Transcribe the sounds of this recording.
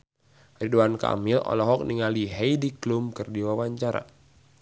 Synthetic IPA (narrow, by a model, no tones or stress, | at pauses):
riduanka̰mɪlɔ̰lɔɦɔk̚niŋaliɦɛjdiklumkɨrdiwawaɲt͡ʃaɾa̰